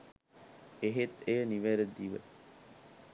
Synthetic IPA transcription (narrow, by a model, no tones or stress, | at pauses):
eɦet̪eːniʋeːɾed̪ːiːʋḛ